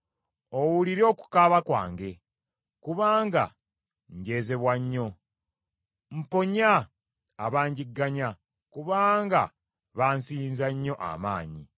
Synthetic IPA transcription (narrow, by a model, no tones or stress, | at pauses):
owuliɾo̞ːku̥kaβakwa̰ːŋɡe̞ | kuβaːŋɡa̰ | ɲɟe̞ːze̞βwaɲːo̞ | m̩po̞ɲaː | βaːɲɟiɡːaɲa | kuβaːŋɡa̰ | βaːnsinzaɲːo̞ʔa̰maːɲi